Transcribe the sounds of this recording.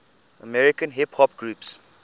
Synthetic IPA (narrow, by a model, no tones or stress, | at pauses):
əmɛɹɪkə̃nɦɛphɔpɡɹuːps